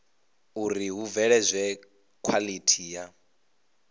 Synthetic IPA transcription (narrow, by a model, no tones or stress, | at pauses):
uɾiɦuvɛɺɛzʷɛ | kʰwalitʰija